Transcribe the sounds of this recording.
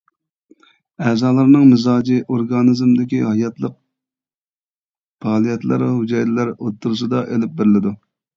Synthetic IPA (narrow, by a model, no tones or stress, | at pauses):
ɛːzɑːlˠɑɾnɨŋmɪzɑːd͡ʒiʔoɾɡɑnɨzmd̪ɪkʲihɑjɑt̪lˠəq̚ | pʰɑːlˠijɛt̪lˠɨ̰ɾɦud͡ʒɑjd̪ɪlæɾot̪ʰːuɾsɨd̪ɑʔelɪp̚bɪɾɪlɪd̪u